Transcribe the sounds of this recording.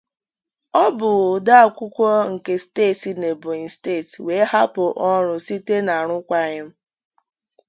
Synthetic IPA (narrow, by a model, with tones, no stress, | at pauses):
ɔ˦bʊ˨ɣda˦a˨kʷʊ˦kʷɔ˦ŋ̩˨ke˨steː˦˨ti˨ne˨bʊ˨i˨ste˦˨twe˨˦ha˦pʊ˨ʔɔ˦ɾʊ˨si˦te˦na˨ɾʊ˦kʷa˦ɲɪ˦m̩˦